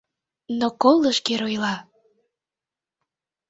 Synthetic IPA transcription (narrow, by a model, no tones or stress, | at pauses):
nokolˠəʃkeɾojlɑ